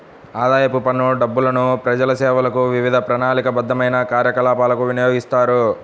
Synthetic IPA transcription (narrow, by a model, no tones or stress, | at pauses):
aːd̪aːjɐpupɐnuɖɐbːulɐnupɾɐd͡ʒɐlɐsɛːʋɐlɐkuʋiʋid̪ʱɐpɾɐnaːlikɐbɐd̪ːɐmɐjnɐkaːɾjɐkɐlaːpaːlɐkuʋinɐjoːɡist̪aːɾu